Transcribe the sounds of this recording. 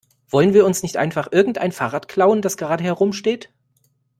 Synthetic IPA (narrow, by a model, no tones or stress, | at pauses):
v̥ɔlənviːɐʊnsnɪçtʔa̰ɪnfaχʔɪɐɡŋ̩tʔaɪnfaːʁaːtkʰl̥aʊənd̥asɡ̥əʁaːɾəhɛʁʊmʃteːt